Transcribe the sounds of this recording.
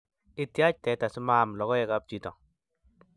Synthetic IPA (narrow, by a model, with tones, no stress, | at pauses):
ɪ˦tja˦t͡ʃ̚tɛ˨ta˨sʊ˦ma˦˨mlɔ˨ɡɔ˦jɛ˦ka˦p̚t͡ʃi˨tɔ˨ŋ